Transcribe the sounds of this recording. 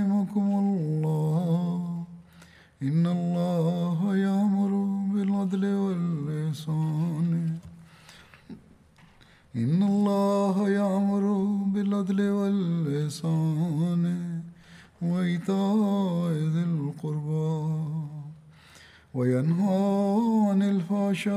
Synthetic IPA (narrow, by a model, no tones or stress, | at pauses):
ɪmakʊmʊlːɑː | ʔɪnːɐlˤːɑːɦajaʕmʊɾʊbɪlɐd̪lɪwɐlɪhsaːn | ɪnːɐlˤːɑːɦajaʕmʊɾʊbɪlɐd̪lɪwɐlɪhsaːn | waɪt̪aːʔɪzɪlqʊɾba | wɐjanɦaːʕanɪlfaːʃa